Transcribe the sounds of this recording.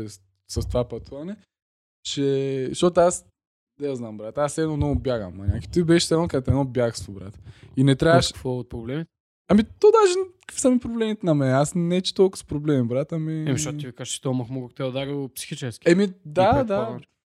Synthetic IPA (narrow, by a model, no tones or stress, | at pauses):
ɛs | sɐst̪ovapɐt̪uvɐnɛ | t͡ʃɛʃt̪ot̪ʊas | d̪ɛjaznambɾat̪ɐasɛnɔmnɔɡʊbjaɡɐ̰mːɐnʲaki̥t̪ibɛʃsɛnkat̪ɛnɔbjaɡsobɾa̰t̪ə̥inɛt̪ɾʲjavəʃkkvɔot̪̚pɾoblɛmit̪ɛ | ɐmit̪od̪aʒɛkkvi̥sɐmipɾoblɛmit̪ɛnɐmɛnɛasnɛt͡ʃi̥t̪olˠkə̥spɾoblɛmibɾat̪ɐmiɛmiʃʃɔt̪t̪ivikaʒət͡ʃɛ̥t̪omɐxmɔɡkt̪ɛd̪aɡɐopsi̥xit͡ʃɛskʲiɛmid̪ad̪a